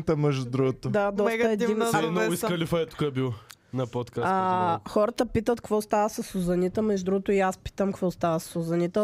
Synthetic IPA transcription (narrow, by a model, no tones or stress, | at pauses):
t̪əmɛʒd̪ud̪ɾuɡot̪od̪ad̪ɔst̪əɛd̪inɛniskɐlifɐɛt̪u̥kaɛbilˠ | nɐpot̪kaaxɔɾət̪əpit̪ət̪kvɔst̪avəsɐsuzɐnit̪əmɛʒud̪ɾuɡot̪ʊiaspi̥t̪əmkvɔst̪avəsɐ̥sʊzɐnit̪ə